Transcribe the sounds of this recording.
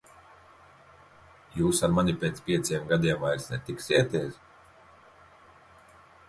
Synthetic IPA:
juːsaɾmanipʲeːt̪spʲiɛt̪siɛmɡad̪iɛmvajɾsnɛt̪iksiɛt̪ʲɛːs

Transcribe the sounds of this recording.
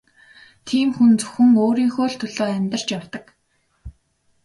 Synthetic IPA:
t̪ʰiːmxunt͡sɵ̥xɘ̆ŋoːɾiːŋxoːɮt̪ʰʊɮoːæmʲt̪ə̆r̥t͡ɕjawt̪ə̆k

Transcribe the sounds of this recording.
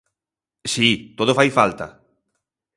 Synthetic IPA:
sit̪oðofajfalt̪ɐ̰

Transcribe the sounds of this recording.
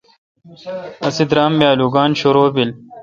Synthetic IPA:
ɐsid̪ɾaːmbjaːluːɡaːnɕoɾoːbil

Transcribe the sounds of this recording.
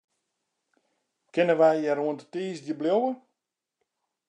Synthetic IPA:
kɪnəʋɛjjɛɾuəntətiːsdjəbljowə

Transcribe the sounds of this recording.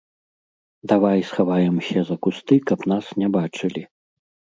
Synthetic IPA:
d̪avajsxavajɛmɕʲɛzɐkust̪ɨkɐpnasnʲɛbat͡ʂɨlʲi

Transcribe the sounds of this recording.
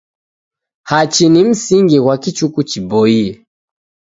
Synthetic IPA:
hat͡ʃinim̩siŋɡiwakit͡ʃukut͡ʃibɔiɛ

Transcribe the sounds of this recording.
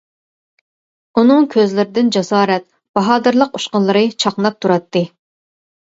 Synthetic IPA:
unɨŋkʲʰøzlɪɾɪd̪ɪnd͡ʒɑsɑːɾɛt̪̚ | b̥ɑɦɑːd̪ɨɾlˠəquʃqəlˠːɨɾɨt͡ʃʰɑqnɑp̚t̪ʰuɾɑt̪ːɨ

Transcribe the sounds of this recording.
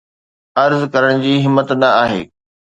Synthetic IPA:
ɐɾzkɐɾəɽ̃d͡ʑiːɦɪmːət̪nɐaːɦḛː

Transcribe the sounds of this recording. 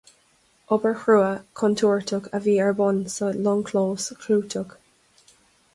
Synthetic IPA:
ɔbəɹxɹuːəkʰɔntʰuːɹtʰʊɡəviːɛɹbɔnsəlɔŋkʰloːskʰluːtʰʊɡ

